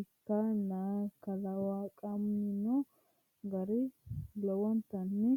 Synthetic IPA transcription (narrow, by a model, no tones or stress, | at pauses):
ɪkːanakɐlawaːkʼɐmnɪnɔ | ɡɐɾɪlɔwɔnt̪ɐnːɪ